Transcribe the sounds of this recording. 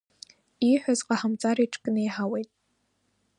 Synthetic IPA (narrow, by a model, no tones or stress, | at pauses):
iːħʷʊzqɑħamt͡sʼaːɾiːʈ͡ʂʼkʼɨneːħaːwejtʼ